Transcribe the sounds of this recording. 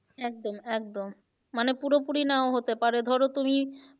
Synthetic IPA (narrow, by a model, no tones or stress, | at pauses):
ɛk̚d̪omɛk̚d̪omː | anepuɾopuɾinaoɦot̪epaɾed̪ʱɔɾot̪umi